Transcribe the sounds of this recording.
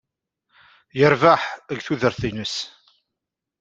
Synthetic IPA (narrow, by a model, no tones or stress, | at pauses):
jəɾvaħəɡθuðəɾθinəs